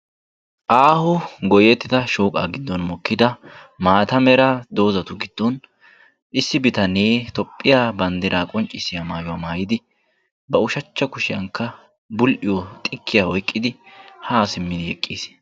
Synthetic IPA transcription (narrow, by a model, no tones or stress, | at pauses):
ʔaːhʊɡɔjɛt̪ːɪt̪ɐʃoːkʼa̰ːɡɪd̪ːɔnmɔkːɪd̪ɐmaːt̪ɐmɛɾɐd̪o̞ːzɐt̪ʊɡɪd̪̥ːɔn | ʔɪsːɪbɪt̪ɐneːt̪ɔpʼːɪjaːbɐnd̪ɪɾaːkʼɔnt͡ʃʼːɪsːɪjamaːjʊwamaːjɪd̪ɪ | bɐʊʃɐt͡ʃːɐkʊʃɪjɐŋkːɐ | bʊlʔɪjɔt̪ʼɪkʰːɪjaɔjkʼːɪd̪ɪhaːsɪmːɪd̪ɪjɛ̰kʼːiːs